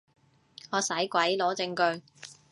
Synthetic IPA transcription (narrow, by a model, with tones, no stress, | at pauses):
ŋɔː˨˧sɐ˨˥jkʷwɐ˨˥jlɔː˨˥t͡sɪ˧ŋkɵ˧ɥ